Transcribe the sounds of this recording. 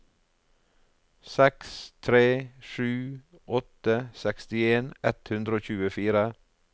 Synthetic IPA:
sɛkst̪ʰɾeːʃʉː | ʔɔt̪əsɛkst̪ɪeːnɛt̪hʉnd̪ɾoːçʉːəfiːɾə

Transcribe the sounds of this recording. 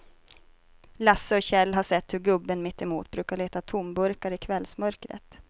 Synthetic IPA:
lasːəɔɕɛlːɦaʂɛt̪ːhɵɾɡɵbːənmɪt̪ːɪmuːt̪bɾʉ̟ːkaɭeːt̪at̪ʰʊmbɵɾkaɾɪkʰvɛlsmœɾkɾə̰t̪

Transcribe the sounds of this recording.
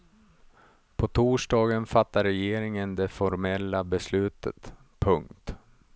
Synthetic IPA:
pʰɔt̪ʰuːʂɖɑːɡənfat̪ːaɾɛjeːɾɪŋənd̪ɛfɔɾmɛlːabɛslʉ̟ːt̪ʰə̰t̪ | pʰɵŋkt̪

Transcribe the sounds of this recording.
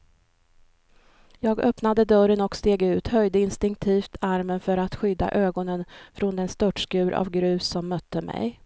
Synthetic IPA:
jɑːɡœpnad̪əd̪œɾənɔkst̪eːɡʉ̟ːt̪hœjd̪əɪnst̪ɪŋk̚t̪ʰiːft̪ʰaɾmənfœɾat̪ɧʏd̪ːa̰ʔøːɡɔnənfɾɔnd̪ɛnst̪œʈʂkʉ̟ːɾʔa̰vɡɾʉ̟ːsɔmːœt̪ːəmɛ̰j

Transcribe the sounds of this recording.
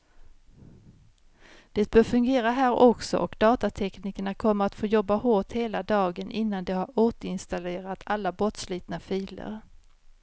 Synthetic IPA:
d̪̥ɛt̪̚bœːɾfɵŋɡeːɾaɦæːɾʔɔksɔ̰ʔɔkd̪ɑːt̪at̪ʰɛkniːkəɳakʰɔmːəɾat̪foːjɔbːahoːʈheːlad̪ɑːɡənʔɪnːand̪ɛhaɾoːt̪əɾɪnst̪aleːɾat̪ʰalːabɾɔt̪sliːt̪nafiːlə̰ɾ

